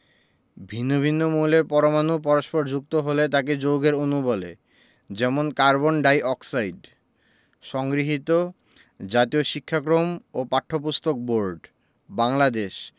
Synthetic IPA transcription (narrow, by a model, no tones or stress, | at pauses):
bʱinːobʱinːomuleɾpɔɾomanupɔɾoʃpoɾd͡ʑuk̚t̪oɦolet̪aked͡ʑowɡeɾonubɔlḛ | d͡ʑɛmonkaɾbonɖajʔɔksajɖ | ʃɔŋɡɾiɦit̪o | d͡ʑat̪ioʃikʰːakɾomopaʈʰːop̬ust̪ʰok̚boɾɖ | baŋlad̪eʃ